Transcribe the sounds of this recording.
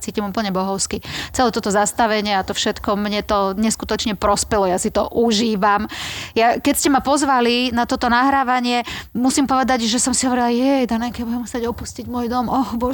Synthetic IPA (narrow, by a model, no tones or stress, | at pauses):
t͡siːcimupl̩ɲɛbɔɦɔʊskit͡sɛlɛːt̪ɔt̪ɔzast̪aʋɛɲɪɛat̪ɔfʃɛt̪kɔmɲɛt̪ɔɲɛskut̪ɔt͡ʃɲɛpɾɔspɛlɔjasit̪ɔʔuʒiːʋamjakɛcscɛmapɔzʋalinat̪ɔt̪ɔnaɦɾaːʋaɲɪɛmusimpɔʋɛd̪aɟʒɛsɔmsiɦɔʋɛɾilajɛjd̪anɛkɛjabuɟɛmxsaɟɔpusciɟmʊɔːjd̪ɔmɔhbɔ